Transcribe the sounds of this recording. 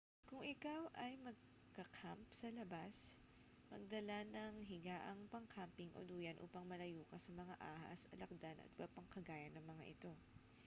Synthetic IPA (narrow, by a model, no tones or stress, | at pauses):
kʊŋɪkawʔɐjmɐɡ̚ | kɐkʰampsɐlɐbas | mɐ̰ɡ̚d̪ɐlanɐŋɦɪɡaːʔɐŋpɐŋkʰampɪŋʔo̰d̪uːjɐnʔṵːpɐŋmɐlɐjuːkɐsɐmɐŋa̰ʔa̰ːhɐ̰sɐlɐk̚d̪anʔɐ̰t̪̚ɪbapɐŋkɐɡaːjɐnːɐŋmɐŋaʔɪt̪o̞